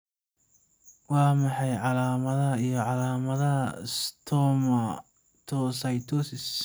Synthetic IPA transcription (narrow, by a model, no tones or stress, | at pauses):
wɑːmɑħɑjʕɑlaːmɐðɐɦɐijɞʕɑlaːmɐðɐɦɐɪst̪ʰɔːmɐ | t̪ʰɔːsɐjt̪ʰɔːsɪs